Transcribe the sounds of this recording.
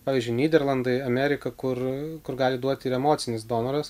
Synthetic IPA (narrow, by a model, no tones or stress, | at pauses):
pɑːʋʲiːzʲd͡ʒʲʊɪnʲiːd̪ʲɛɾlˠɐnd̪ɐɪɐmʲæːɾʲɪkɐkʊrkʊrɡɑːlʲɪd̪uɔt̪ʲɪɾɛmoːt̪sʲɪnʲɪsd̪oːnoɾɐs